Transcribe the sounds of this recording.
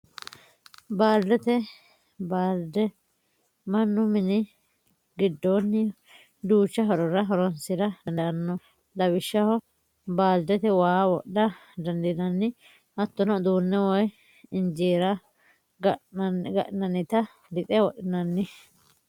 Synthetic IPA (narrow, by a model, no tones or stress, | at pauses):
baːld̪ɛt̪ɛ | baːld̪ɛ | mɐnːʊmɪnɪ | ɡɪd̪ːonːɪ | d̪uːt͡ʃːɐɦɔɾɔɾɐɦɔɾɔnsɪɾɐd̪ɐnɐnːɔ | d̪ɐbɪʃːɐhɔ | baːld̪ɛt̪ɛwaːwɔɗːɐd̪ɐnd̪ɪnɐnːɪ | ʔɐt̪ːɔnɔd̪uːnːɛwɔj | ɪnd͡ʒeːɾɐ | ɡɡɐ̰ʔnɐnːɪt̪ɐ | lɪt̪ʼɛwɔɗɪnɐnːɪ